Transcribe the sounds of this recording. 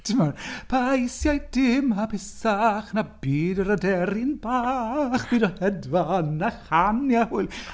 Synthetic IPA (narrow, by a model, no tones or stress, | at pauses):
tʰɪmɔrpʰajsjajd̥ɪmapʰɪsaχnabiːdəɾadɛɾɪnbaːχb̥iːdɔhɛdvanːaχanjahʊɨlˠ